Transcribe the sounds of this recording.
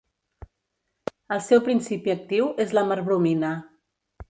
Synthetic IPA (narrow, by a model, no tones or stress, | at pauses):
əlˠsɛwpɾinsipiək̚t̪iwezləməɾβɾuminə